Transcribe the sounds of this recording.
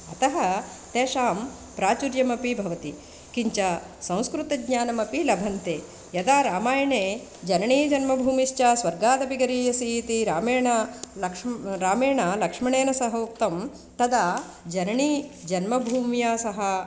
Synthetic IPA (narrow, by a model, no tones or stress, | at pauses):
ɐt̪ɐɦɐ | t̪eːʃaːm | pɾaːt͡ʃuɾjɐmɐpibʱɐʋɐt̪i | kiɲt͡ʃa | sɐ̃w̃skɾut̪ɐɡɲaːnɐmɐpilɐbʱɐnt̪eː | jɐd̪aːɾaːmaːjɐɳeː | d͡ʒɐnɐɳiːd͡ʒɐnmɐbʱuːmiʃt͡ʃaːsʋɐɾɡaːd̪ɐbiɡɐɾiːjɐsiit̪iɾaːmeːɳɐlɐkʂɾaːmeːɳaːlɐkʂmɐɳeːnɐsɐɦoːk̚t̪ɐm | t̪ɐd̪aː | d͡ʒɐnɐɳiːd͡ʒɐnmɐbʱuːmjaːsɐɦɐ